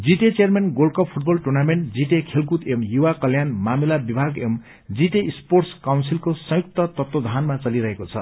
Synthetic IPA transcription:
d͡ziʈet͡sejʌrmenɡolkʌppʰuʈ̚bʌlʈurnameɳʈd͡ziʈekʰelkut̪emjuwakʌljanmamilabibʱaɡem | d͡ziʈeisporʈskawnsilkosʌ̃juk̚t̪ʌt̪ʌt̪wod̪ʱanmat͡sʌliɾʌɦekot͡sʰʌ̰

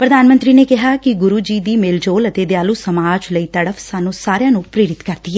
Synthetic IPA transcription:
pɾəd̪aːnmə̃nt̪ɾiːneːkɪɦaːkɪɡʊɾuːd͡ʒiːd̪iːmeːld͡ʒoːlət̪eːd̪jaːluːsəmaːd͡ʒləiːt̪əɽəfʰsaːnũːsaːɾejãːnũːpɾeːɾɪt̪kəɾd̪iːɛ

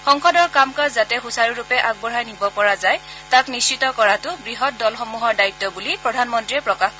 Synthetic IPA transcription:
xɔŋxɔdɔɹkamkazatɛxusaɹiɹupɛʔaɡ̚bɔɹajnibɔpɔɹazaj | taknist͡ʃːitɔkɔɹatʊbɹiɦɔt̚dɔlxɔmuɦɔɹdaitːɔbulipɹɔdʱanmɔntɹiɛpɹɔkax

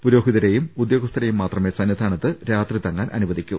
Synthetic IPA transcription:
puɾo̞ːɦiðɐɾejumud̪jo̞ːɡɐst̪ʰɐɾejumːaːt̪rɐmeːsaːnjɐd̪aːɳɐðɨɾaːt̪rit̪ɐŋːaːnʔɐ̰nuʋɐðikʲːum

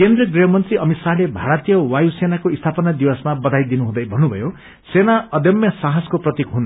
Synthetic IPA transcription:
kend̪rʌɡriɦʌmʌnt̪riʔʌmit̪salebʱaɾʌt̪ijʌwajusenakoist̪ʰapʌnad̪iwʌsmabʌd̪ʱajd̪inuɦũd̪ʌjbʱʌnːubʱʌ̰jo | senaʌd̪jʌmjʌsaɦʌskoprʌt̪ikɦun

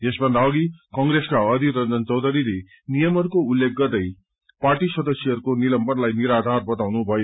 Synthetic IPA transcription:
esbʱʌnd̪ʱaoɡikʌŋɡɾeskaʌd̪ʱiɾʌnd͡zʌnt͡sʌwd̪ʱʌɾiɾe | nijʌmʌɾukoulːek̚ɡʌd̪ʌj | paɾʈisʌd̪ʌsjʌʌɾukonilʌmbʌnlajniɾad̪ʱarbʌt̪awnubʱʌjo

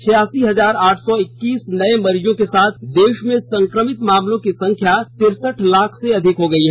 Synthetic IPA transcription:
t͡ʃʰɪjaːsiɦɐzaːɾaːʈʰsɔɪkːiːsnɐẽmɐɾd͡ʒõkesaːt̪ʰd̪eːʃmẽsɐ̃ŋkɾəmɪt̪maːmlõkisɐ̃ŋkʰjat̪ɪɾsəʈʰlaːkʰseɐd̪ʱɪkɦoɡɐiɦɛ

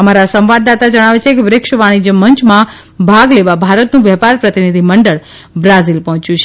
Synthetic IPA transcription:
əmaɾasə̃mʋad̪ːat̪ad͡ʒəɽ̃aʋet͡ʃʰekeʋɾɪkʃʋaɽ̃id͡ʒəmːənt͡ʃmã | bʱaɡleʋabʱaɾət̪nũʋɛɦpaɾpɾət̪inid̪ʱiməɳɖəɭ | bɾazilpɔɦɔ̃t͡ʃjũt͡ʃʰe

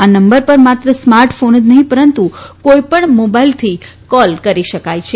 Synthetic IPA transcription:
anəmbəɾpəɾmat̪ɾəsmaɾʈfʰonəd͡ʒnəɦĩpəɾənt̪ukoipəɳmobailt̪ʰikɔlkəɾiʃəkajt͡ʃʰe

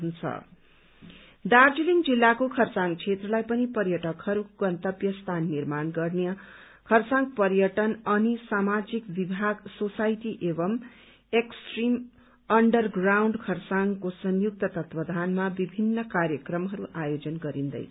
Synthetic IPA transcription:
unt͡sʰʌ̰ | d̪ard͡ziliŋd͡zilːakokʰʌrsaŋɡt͡sʰet̪rʌlajpʌnipʌrjʌʈʌkhʌɾuɡʌnt̪ʌbjʌst̪ʰanːirmanɡʌrneʌ | kʰʌrsãŋɡpʌrjʌʈʌnʌnisamad͡zikbibʱaɡsosajʈiʔebʌm | eksʈrim | ʌɳɖʌrɡrawɳɖkʰʌrsaŋɡkosʌnjuk̚t̪ʌt̪ʌt̪bʌd̪ʱanmabibʱinːʌkarjʌkrʌmɦʌɾuʔajod͡zʌnɡʌɾind̪ʌ̰j

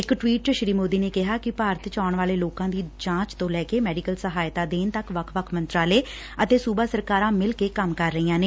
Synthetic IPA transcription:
ɪkʈʋiːʈʃɾiːmoːd̪iːneːkɪɦaːkɪpaːɾət̪ʰt͡ʃaːɳʋaːleːloːkãːd̪iːt͡ʃãːt͡ʃt̪õːlɛːkeːmɛːɖiːkəlsəɦaːjt̪aːd̪eːnt̪əkʋəkʰʋəkʰmənt̪ɾaːleː | ət̪eːsuːbaːsəɾkaːɾãːmɪlkeːkəmkəɾːəiːãːneː

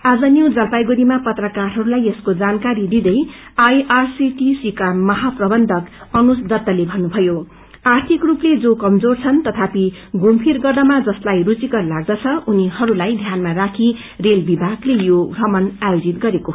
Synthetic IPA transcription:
ad͡zʌnjewd͡zʌlpajɡuɾimapʌt̪rʌkarɦʌɾulajeskod͡zankaɾid̪id̪ʌj | ajarsiʈisikamʌɦaprʌbʌnd̪ʱʌkʌnusd̪ʌt̪ːʌlebʱʌnːubʱʌjo | art̪ʰikrupled͡zokʌmd͡zort͡sʰʌnt̪ʌt̪ʰapi | ɡumpʰirɡʌrd̪ʌmad͡zʌslajrut͡sikʌrlaɡd̪ʌt͡sʰʌunihʌɾulajd̪ʱjanmarakʰi | relbibʱaɡlejoɡrʌmʌnajod͡zit̪ɡʌɾeko

